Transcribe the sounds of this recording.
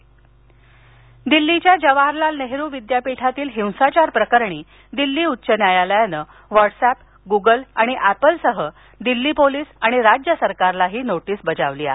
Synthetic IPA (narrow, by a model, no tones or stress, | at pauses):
d̪ilːit͡ɕjad͡ʑəʋaɾlalneɦɾuːʋid̪japiʈʰat̪iːlɦĩwsat͡ɕaɾpɾəkəɾɳiː | d̪ilːiːut̪ːɕənjajaləjanə | ʋaʈsæp | ɡuɡəlaɽ̃iʔæpəlsəɦə | d̪ilːiːpoliːsaɽ̃iɾad͡ʑjəsəɾkaɾlaɦiːnoʈiːsbəd͡zaʋliːa̰